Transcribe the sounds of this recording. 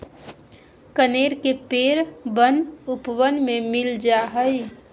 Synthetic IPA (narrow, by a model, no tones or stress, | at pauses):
kəneːɾkepeːɾbənʊpʋənmẽmɪld͡ʒaɦəi